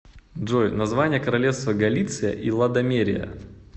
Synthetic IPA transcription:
dʐojnɐzvanʲɪjəkəɾɐlʲefst̪vəɡɐlʲit̪sɨjə̰ʔilˠɐd̪ɐmʲeɾʲɪjə̰

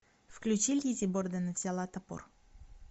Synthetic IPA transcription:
fklʲʉt͡ɕilʲjizʲibord̪ənəvzʲalˠat̪ɐpo̰r

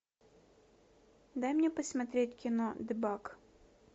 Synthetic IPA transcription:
d̪ajmnʲɛpɐsʲmɐt̪ɾʲetʲkʲɪnɔd̪ɪbak

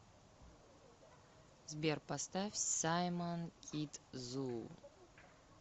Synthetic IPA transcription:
zbʲerpʰastʰafʲsajmankʲʼitʼzu

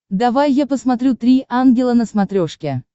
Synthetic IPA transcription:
d̪avajːapəsmat̪ɾʲut̪ɾʲiʔanɡʲɪlˠənəsmat̪ɾʲoʂkʲe

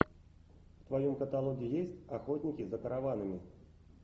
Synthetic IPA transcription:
ft̪vajɔmkət̪alˠɔɡʲɪjesʲtʲaxɔtʲnʲikʲizɐkɐɾavanɨmʲi

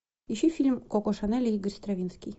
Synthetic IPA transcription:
iɕɘfʲilʲmkokoʃanælʲiɡɘ̆rʲst̪ravʲinskʲij

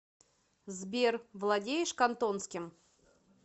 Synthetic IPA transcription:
zbʲervlˠɐdʲejɪʂkɐnt̪onskʲɪm

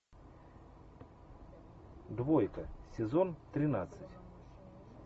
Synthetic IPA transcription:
d̪vojkəsʲɪzont̪ɾʲɪnat̪sɨtʲ

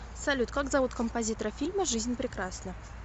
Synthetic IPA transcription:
sɐlʲut̪kaɡzɐvut̪kəmpɐzʲit̪əɾəfʲilʲməʐɨzʲnʲpɾʲɪkɾasnə

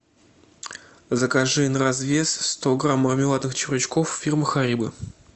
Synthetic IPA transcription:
zəkaʐɨnrɐzvʲe̞sst̪oɡramːərmʲɪlˠat̪nɨxt͡ɕɪvɾɨt͡ɕkofːʲirmɨxaɾʲibɨ̰

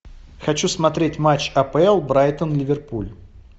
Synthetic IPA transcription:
xɐt͡ɕusmɐt̪ɾʲetʲmat͡ɕːɐpɛlˠbɾajt̪ənlʲɪvʲɪrpulʲ

